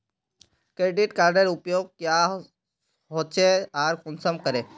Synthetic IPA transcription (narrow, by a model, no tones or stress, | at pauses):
kɾeːɖɪʈkaːɾɖəɾʊpjoːɡ̚kja | ɦoːt̪t͡ʃʰeaːɾkɔnsəmkəɾeː